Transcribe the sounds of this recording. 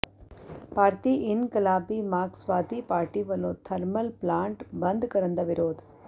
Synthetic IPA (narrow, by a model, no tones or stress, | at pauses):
paːɾt̪iʔinkɐlaːbimaːksʋaːt̪ipaːɾʈiʋɐloːt̪ʰɐɾmɐlplaːɳʈbɐnd̪kɐɾɐnd̪ɐʋiɾoːd̪